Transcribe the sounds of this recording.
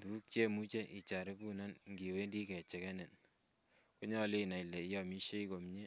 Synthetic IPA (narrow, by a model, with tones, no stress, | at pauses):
du˨˦k̚t͡ʃe˦mu˦t͡ʃe˦ʔi˨t͡ʃa˨ɾe˦ku˦na˦nŋɡi˨we˦ndi˦kɛ˨t͡ʃɛ˨kɛ˦ne˨n | ko˦ɲɔ˦le˦na˨i˨le˨i˦jɔ˨mi˦ʃe˦i˦ko˨mɲe˦